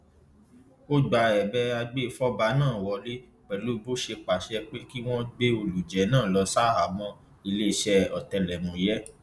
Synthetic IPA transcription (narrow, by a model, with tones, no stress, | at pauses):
o˦ɡ͡ba˧ɛ˨bɛ˦a˧ɡ͡be˦˧fɔ˦ba˧˦nãː˦˨wɔ˧le˦ | k͡pɛ˨lu˨˦bo˦ʃe˧k͡pa˨ʃɛ˧k͡pe˦ki˦w̃ɔ̃˦ɡ͡be˦o˧lu˨d͡ʒɛ˨˦nãː˦˨lɔ˧sa˦a˨mɔ̃˧ | i˧le˦˧ʃɛ˧ɔ˨tɛ˧˨lɛ˨mũ˨jɛ˦